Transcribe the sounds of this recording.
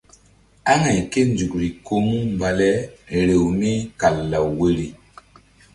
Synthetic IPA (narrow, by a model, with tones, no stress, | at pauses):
a˦ŋa˨jke˦nd͡ʒu˨kɾi˨ko˦mu˦m˨ba˨lɛ˦ɾe˨wmi˦ka˨lːa˨wwe˦ɾi˨